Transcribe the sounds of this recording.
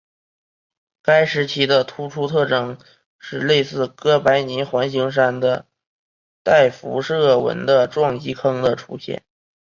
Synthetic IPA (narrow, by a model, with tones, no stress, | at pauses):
ka˥ɪʂɻ̩˧˥t͡ɕʰi˧˥d̪ə˧t̪ʰu˥ʈ͡ʂʰu˥t̪ʰɤ˥˩ʈ͡ʂɤ˥˩ŋ | ʂɻ̩˥˧le˥˧ɪsɹ̩˥˩kɤ˥pa˧˥ɪni˧˥xwa˧˥nɕi˧˥ŋʂ̬a˥nd̪ə˨ | t̪a˥˩ɪfṵ˧˥ʂɤ˥˩wə̰˧˥nd̪ə˧ʈ͡ʂwɑ˥˩ŋt͡ɕi˧˥kʰɤ˥ŋd̪ə˨ʈ͡ʂʰu˧˥ɕjɛ̰˥˩n